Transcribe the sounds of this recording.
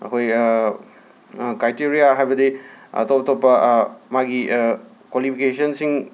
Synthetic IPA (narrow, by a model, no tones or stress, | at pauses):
ɐ̰kʰoj | kajtiɾijaɦajbɐdiɐ̰topɐtʰopːɐmaɡi | kwalipʰikesɐnsiŋ